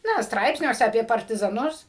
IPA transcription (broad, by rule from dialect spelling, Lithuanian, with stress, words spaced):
ˈnɐ ˈstrɐɪpʲsʲnʲuɔsʲɛ ɐpʲiɛ pɐrʲtʲɪzɐˈnʊs